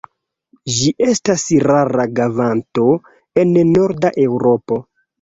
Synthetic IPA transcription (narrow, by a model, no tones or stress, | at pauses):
d͡ʒiʔe̞stasɾaɾaɡavanto̞ | e̞nno̞ɾdaʔe̞wɾo̞po̞